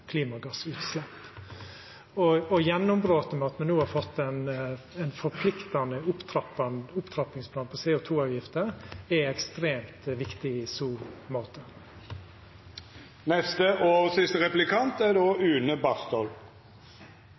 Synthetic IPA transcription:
kʰliːmɑɡɑsʉːt̪slɛpː | ɔɔjɛnːʊmbɾoːt̪əmɑːt̪nənuːhɑɾfɔt̪ːɛnɛnfɔɾpʰlɪkt̪ɑnəʊpt̪ɾɑpɑʊpt̪ʰɾɑpɪŋspʰlɑːnpʰɔseːʊt̪ʰuːɑʉʋjɪft̪əɾɛɛkst̪ɾeːmt̪ʋɪkt̪ɪɪsuːɾmɑːt̪ə | nɛst̪əʔɔsɪst̪əɾɛplɪkʰɑnt̪æɾdoːʉːnəbɑst̪ɔl

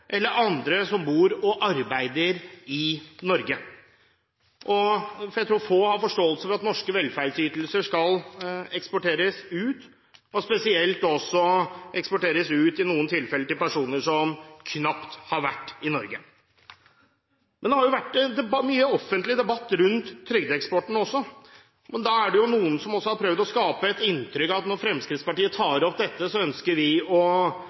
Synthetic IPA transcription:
ʔɛlːəɾʔɑnd̪ɾəsɔmbuːɾɔʔɑɾbæɪd̪əɾɪnɔɾɡə | ʔɔfɔɾjæt̪ʰɾuːɾfoːhɑɾfɔʂʈoːəlsəfɔɾɑt̪nɔʂkəʋɛlːfæɾɖsyːt̪l̩səʂkɑlɛkspɔʈeːɾəsʉːt̪ | ɔspɛsɪɛlt̪ɔsːɔɛkspɔʈeːɾəsʉːt̪ɪnuːənt̪ʰɪlfɛləʈ̪ɪlpæʂuːnəʂɔmkʰnɑpt̪hɑɾʋæʈːɪnɔɾɡə | mɛnd̪ɛhɑɾjʊʋæʈːɛd̪ɛmyːəɔfənt̪lɪd̪ɛbɑt̪ːɾʉnt̪ʰːɾʏɡd̪əɛkspɔʈːəɳ̩ɔsːɔ | mɛnd̪ɑæɖɛjʊnuːənsɔmɔsːɔhɑɾpʰɾœʋd̪ɔskɑːpəɛt̪ɪnt̪ʰɾʏkːɑʋɑt̪nɔɾfɾɛmskɾɪːt̪spɑʈiːət̪ʰɑːɾɔp̚d̪ɛt̪ːəsɔœnskəɾʋɪɔ

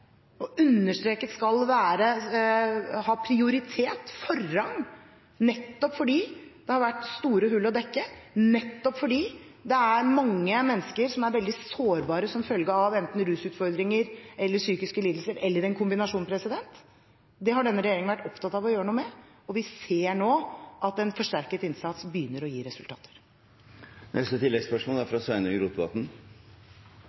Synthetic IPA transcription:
ɔʉnːəʂt̪ɾeːkət̪skɑlʋæːɾə | hɑːpʰɾɪʊɾɪt̪ʰeːt̪fɔrːɑŋ | nɛt̪ːɔpfɔɖiːd̪̥ɛhɑɾʋæʈːst̪uːɾəɦʉlɔd̪ɛkːənɛt̪ːɔpfɔɖiː | d̪ɛæɾmɑŋːəmɛnːskəɾsɔmæɾʋɛld̪ɪsoːɾbɑːɾəsɔmfœlɡəɑʋɛnt̪n̩ɾʉːsʉːt̪fɔɾd̪ɾɪŋəɾɛlːəʂyːkɪskəliːd̪l̩səɾɛlːəɾɛnkʰʊmbɪnɑʂuːnpʰɾɛsɪd̪ɛnt̪ | d̪ɛɦɑɖɛnːəɾɛjeːɾɪŋəʋæʈːɔpt̪ʰɑt̪ːɑʋɔjøːɾənuːəmɛ | ɔʋɪseːɳoːʔɑt̪ɛnfɔʂʈæɾkət̪ɪnsɑt̪sbəjʏnːəɾɔjiːɾɛsʉlt̪ɑ̰ːt̪ʰə̥ɾ | nʔɛ̰st̪ət̪ʰɪlːɛɡspœʂmɔːlæɾfɾɑsʋæɪnəɾuːt̪bɑ̰ːt̪n̩

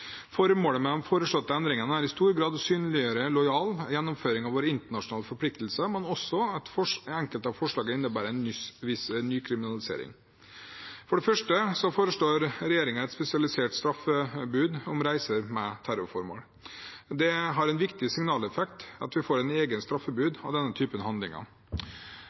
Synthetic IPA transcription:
fɔɾəmoːləmɛd̪ɛnfoːɾəʂɭɔt̪ːəɛnd̪ɾɪŋənəæɾɪst̪uːɾɡɾɑːd̪syːnlɪəɾəlɔjɑːljɛnːɔmføːɾɪŋɑʋoːɾəɪnt̪əɳɑʂʊnɑːləfɔɾpʰlɪk̚t̪l̩səmɛnɔsɔɛt̪fɔɛŋkəlt̪ɑʋfɔʂɭɑːɡəɪnːəbæːɾəɛnʏʋɪsnːyːkʰɾɪmɪnɑlɪsḛːɾɪ̰ŋ | fɔɖɛfœʂʈəsɔfoːɾəʂlɭoːɾɾɛjeːɾɪŋənɛt̪spɛsɪɑlɪsɪɛːlʈ̪st̪ɾɑfəbʉːd̪ʊmɾæɪsəɾmɛt̪ʰæɾʊɾfɔɾmo̰ːl | d̪ɛɦɑɾɛnʋɪkt̪ɪsɪŋnɑːlɛfɛkt̪ɑ̰t̪ʋɪfoːɾɛneːɡənst̪ɾɑfːəbʉːd̪ɑ̰ʋd̪ɛnːət̪ʰyːpənhɑnd̪lɪ̰ŋɑ̰

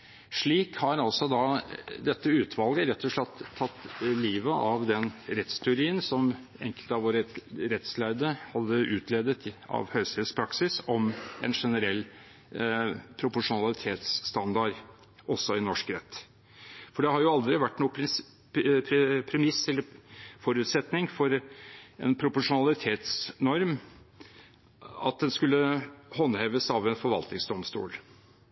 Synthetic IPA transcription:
ʂɭiːkhɑɾɑlsɔd̪ɑd̪ɛt̪ːəʉːt̪ʰʋɑlɡəɾɛt̪ʰːɔʂɭɛt̪ʰːɑt̪ːliːʋəʔɑʋd̪ɛnɾɛt̪st̪ʰɪʊɾiːənsɔm | ɛ̰ŋkəlt̪ɑʋoːɾəɾɛt̪slæɪd̪əhɑd̪ːəʔʉːt̪ʰleːd̪ət̪ɑ̰ʋhøːst̪ʰɪlspʰɾɑksɪsɔmɛ̰nʂɛnəɾɛlː | pʰɾʊpʊʂʊnɑlɪt̪ʰeːt̪sːt̪ɑnd̪ɑɾ | ɔsːɔɪnɔʂkɾɛt̪ː | fɔɖɛhɑɾjʊɑld̪ɾɪʋæʈːnuː | pʰɾpʰɾɛmɪsːɛlːəɾfɔɾʉːt̪sɛt̪nɪŋfɔɾɛ̰npʰɾʊpʊʂʊnɑlɪt̪ʰeːt̪snɔɾm | ɑ̰t̪̚d̪ɛnskʉlːəhɔnːheːʋəsɑʋɛnfɔɾʋɑ̰lt̪nɪŋsd̪ɔmst̪ṵːl

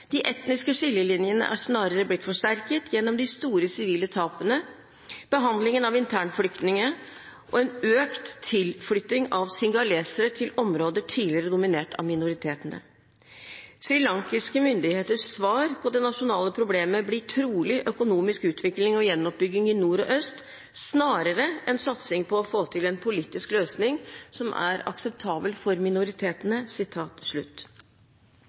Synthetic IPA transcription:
d̪̥ɪʔɛt̪nɪskəʂɪljəlɪnjənə̰ʔæ̰ʂnɑːɾəɾəblɪt̪ːfɔʂʈæɾkət̪ʰjɛnːɔmd̪ɪst̪uːɾəsɪʋiːlət̪ʰɑːpənə | b̥əɦɑnd̪lɪŋənɑʋɪnt̪ʰæːɳflʏkt̪nɪŋə | ʔɔɛnøːkt̪ʰːɪlflʏt̪ːɪŋɑʋsɪŋɡɑleːsəɾət̪ʰɪlɔmɾoːd̪əʈʰiːlɪəɾəd̪ʊmɪneːʈʰɑ̰mɪnʊɾɪt̪ʰeːt̪ənə̰ | sɾɪlɑŋkɪskəmʏnd̪ɪheːt̪əʂsʋɑːɾpʰɔd̪ɛnɑʂʊnɑːləpʰɾʊbleːməblɪʈʰɾuːlɪʔœkʊnuːmɪskʉːt̪ʰʋɪklɪŋɔjɛnːɔp̚bʏɡɪŋɪnuːɾɔ̰ʔœst̪ | snɑːɾəɾəʔɛnsɑt̪sɪŋpʰɔːfoːt̪ʰɪlɛnpʰʊliːt̪ɪskløːsnɪŋsɔmʔæ̰ɾɑ̰ksɛp̚t̪ʰɑːbəlfɔɾmɪnʊɾɪt̪ʰeːt̪ənəsɪt̪ʰɑːt̪ʂɭʉ̰t̪ː

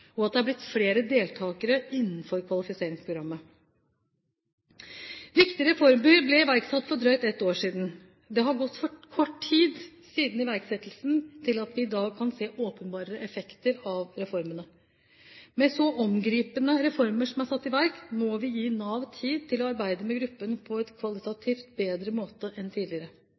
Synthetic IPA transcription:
ɔɑt̪d̪ɛhɑɾblɪt̪fleːɾəd̪eːlt̪ʰɑːkəɾəɪnːn̩fɔɾkʰʋɑlɪfɪseːɾɪŋspʰɾʊɡɾɑmːə | ʋɪkt̪ɪəɾəɾɛfɔɾməɾblɛɪʋæɾksɑt̪ːfɔɖɾœʏt̪ɛt̪ːoːʂiːd̪n | d̪ɛɦɑɾɡɔt̪ːfɔkʰɔʈʰiːd̪siːd̪n̩ɪʋæɾksɛt̪ːl̩snt̪ʰɪlɑt̪ʋɪːd̪ɑːɡ̚kʰɑnseːʔoːpənbɑːɾəɾəʔɛfɛkt̪əɾɑʋɾɛfɔɾmənə | mɛsɔʔɔmɡɾiːpənəɾɛfɔɾməʂɔmæsɑt̪ːɪʋæɾkmɔʋɪjiːnɑːʋt̪ʰiːd̪̚t̪ʰɪlɔɑɾbæɪd̪əmɛɡɾʉpːənpʰɔɛt̪kʰʋɑlɪt̪ɑt̪ʰiːft̪beːd̪ɾəmoːt̪əʔɛnt̪ʰiːd̪lɪəɾə

